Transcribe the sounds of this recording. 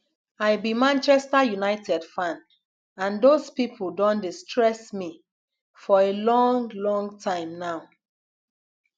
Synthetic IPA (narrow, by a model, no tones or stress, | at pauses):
aɪbimãnt͡ʃɛstajunaɪtʰɛdfãn | ãndospipʰuldõndistʰɹɛsmi | fɔelɔ̃ŋlɔ̃ŋtʰãɪ̃mnaʊ